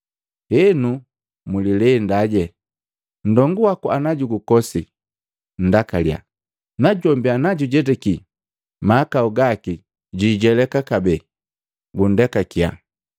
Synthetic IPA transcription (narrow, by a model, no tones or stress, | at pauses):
hɛnu | mulilɛndaɟɛ | n̩dɔŋɡuwakuanaɟuɡukɔsi | n̩dakalja̰ | naɟɔmbianaɟuɟɛdɛki | maːkauɡaki | ɟiɟɛlɛkakabɛ | ɡundɛkakia̰